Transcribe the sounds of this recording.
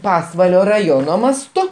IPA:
ˈpɑːsʋɐlʲoː rɐˈjoːnoː mɐsˈtʊ

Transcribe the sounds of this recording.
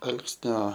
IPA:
ˈɐlˠksʲnʲoː

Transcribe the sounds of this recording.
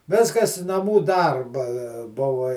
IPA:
ˈʋʲɪskɐs nɐˈmuː ˈdɐrbɐ ˈbʊʋɐ

